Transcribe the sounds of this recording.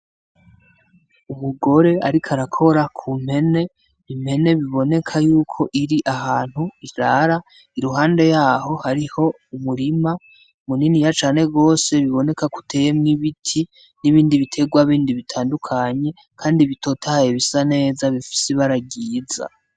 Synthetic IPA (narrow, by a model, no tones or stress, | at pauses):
uβuɡo̞ɾe̞aɾikʰaɾakʰo̞ɾakʰum̥e̞ne̞ | im̥he̞neβiβo̞ne̞kʰajuːkʰo̞ʔiɾiʔaɦaːn̥huizaːɾa | iɾuɦaːnde̞jaːɦo̞haɾiho̞ | umuɾima | muninijat͡ʃaːne̞ɡo̞ːse̞βiβo̞ne̞kaku̥tʰe̞jemŋiβitʰi | niβiːndiβitʰe̞ɡwaβiːndiβitʰaːndukʰaɲe̞ | kʰaːndiβitʰo̞ːtʰahajeβisane̞ːzaβifi̥seβaɾaɟiːza̰